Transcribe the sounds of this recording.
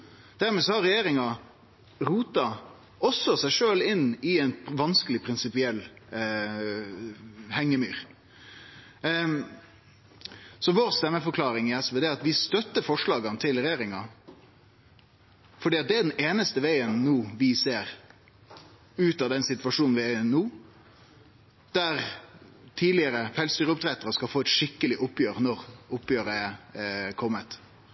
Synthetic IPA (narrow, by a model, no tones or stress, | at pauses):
d̪̥æɾmɛsɔhɑɾɛjeːɾɪŋɑ | ɾuːt̪ɑ | ɔsɔsæɪʂøːlɪnːɪæɪnʋɑnskəlɪpʰɾɪnsɪpɪɛlː | hɛŋːəmyːɾ | sɔʋoːɾst̪ɛmːəfɔɾkʰlɑːɾɪŋɪɛsʋɛːd̪ɛːɑt̪ʋɪst̪œt̪ːəfɔʂɭɑːɡɑnt̪ʰɪlɾɛjeːɾɪŋɑ | fɔɖiːɑt̪̚d̪ɛæɖɛneːnəst̪əʋeɪənnuːʋɪseːɾ | ʉːt̪ɑd̪ɛnsɪt̪ʋɑʂuːnn̩ʋɪænuː | d̪̥æɾt̪ʰiːlɪəɾəfɛlst̪yːɾəʊpt̪ʰɾɛt̪əɾəskɑlfoːɛt̪ʂɪkːəlɪʔʊpːjøːɾnɔɾʊpjøːɾəɛkʰɔmːət̪